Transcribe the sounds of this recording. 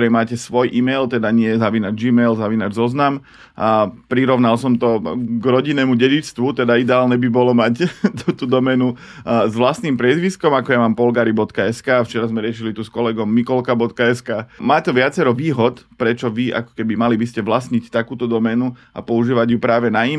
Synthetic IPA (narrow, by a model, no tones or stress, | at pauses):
ɾɛjmaːcɛsʋɔjʔimɛjlt̪ɛd̪aɲɪɛjɛzaʋinad͡ʒiːmɛjlzaʋinad͡ʒzɔznam | pɾiɾɔʋnalsɔmt̪ɔɡɾɔɟinɛːmuɟɛɟit͡st̪ʋut̪ɛd̪aid̪ɛaːlɲɛbibɔlɔmact̪ut̪ud̪ɔmɛnu | zʋlast̪nimpɾɪɛzʋiskɔmakɔjamaːmpɔlɡaːɾibɔt̪kaɛskaːft͡ʃɛɾazmɛɾɪɛʃilit̪uskɔlɛɡɔmːikɔlkabɔt̪kaɛskaːmaːt̪ɔʋɪat͡sɛɾɔʋiːɦɔt̪pɾɛt͡ʃɔʋiʔa̰kɔ̥kɛbimalibiscɛʋlasɲict̪akuːt̪ɔd̪ɔmɛnua̰pɔuʒiːʋaɟjupɾaːʋɛnai